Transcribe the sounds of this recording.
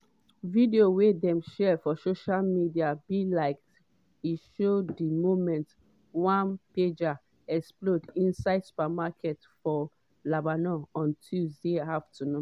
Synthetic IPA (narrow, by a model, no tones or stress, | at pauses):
videowedɛ̃mʃɛfɔsoʃalmidiabilaɪkt | iʃodimomɛ̃nt | wãnped͡ʒa | ɛksplodĩnsaɪdsu̥pɛmakʰɛtfɔ | labanɔɔ̃ntʰulzdeaftuno